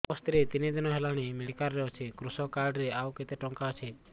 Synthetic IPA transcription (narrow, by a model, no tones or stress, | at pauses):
ɔst̪iɾet̪ined͡ʒ̪ɛnɔɦelaɽ̃imɛkaɾːeɔt͡ʃʰekɾusɔkaɾɖɾeawket̪eʈɔŋkaɔt͡ʃʰe